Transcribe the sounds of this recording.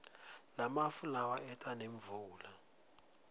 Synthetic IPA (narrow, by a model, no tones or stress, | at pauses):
lamafulawaɛtʼaneɱvuːla